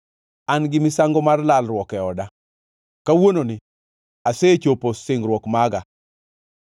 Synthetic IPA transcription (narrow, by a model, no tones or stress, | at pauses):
anɡɪmɪsaŋɡɔmarlalɾwɔkɛɔda | kawononɪ | aset͡ʃoposɪŋɾwɔkmaɡa